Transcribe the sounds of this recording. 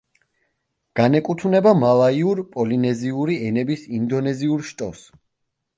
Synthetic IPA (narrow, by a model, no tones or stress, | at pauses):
ɡ̥anɛkʼut̪ʰunɛbamalˠaiuɾpʼɔlinɛziuɾiɛnɛbisind̪ɔnɛziuɾʃt̪ʼɔ̰s